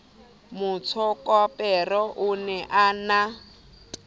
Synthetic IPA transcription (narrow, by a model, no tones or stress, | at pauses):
mut͡sʰɔkɔpʼɛrɔʔunɛʔana